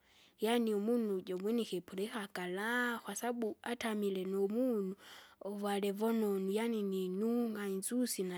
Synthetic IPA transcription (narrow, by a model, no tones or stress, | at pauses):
janiɔmunud͡ʒɔmwɛnixɛpʰulɛxakalaxwasaɓuatʰamilɛnɔmunuɔwalɛvɔnɔnujanininuŋɡanzusina